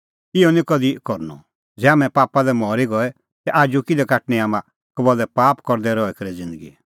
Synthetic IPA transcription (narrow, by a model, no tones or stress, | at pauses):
ɪɔnĩkɔd̪ikɔɾnɔ̰ | d͡zɛaːmɛ̃paːpalɛmɔːɾiɡɔɛ | t̪ɛʔaːd͡ʒukɪd̪ɛkaːʈniaːmã | kɐbɔlɛpaːpkɔɾd̪ɛɾɔɛkɐɾɛd͡zɪ̃nd̪əɡḭ